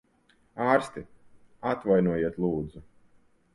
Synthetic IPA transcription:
aːɾst̪i | at̪vajnuɔjiɛt̪lˠuːd̪zu

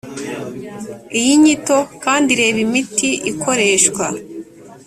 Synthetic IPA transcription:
ijiɲito̞kaːndiɾe̞ːβimitiʔikʰo̞ɾe̞ːʃkwa

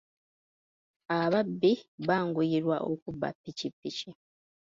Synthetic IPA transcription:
aβabːiβaːŋɡujiɾwaʔokuba̰pːicipːici

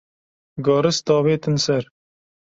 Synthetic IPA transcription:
ɡɑːɾɨst̪ɑːβeːt̪ɨnsɛɾ

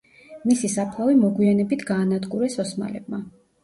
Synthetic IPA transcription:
misisapʰlˠavimɔɡwianɛbit̪ʰɡaːnad̪ɡuɾɛsɔsma̰lɛ̰b̚ma

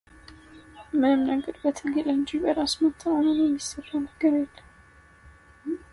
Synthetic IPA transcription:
mɨnɨmnəɡəɾbət̪ʰɨɡeləɲd͡ʒibəɾasmət̪ʰːawnənɛmːisərːanəɡəɾjelːəm

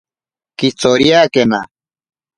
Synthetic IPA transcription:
kit͡soɾjaːkena

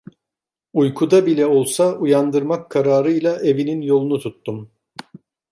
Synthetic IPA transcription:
ujkʰud̪abilʲɛo̞lˠsaujand̪ɯɾmakʰːaɾaːɾɯjlˠaʔe̞vininjo̞lˠunut̪ʰut̪ːum

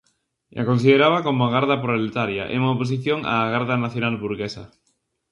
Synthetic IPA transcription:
ʔa̰konsiðeɾaβakomoaɣ̞aɾðapɾolet̪aɾja̰ʔḛumaopos̬iθjoŋa̰ːɣaɾðanaθjonalβuɾɣesa̰

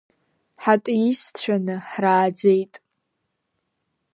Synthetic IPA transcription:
ħatʼjist͡ɕʷᶣʰanɨħraːd͡zejtʼ

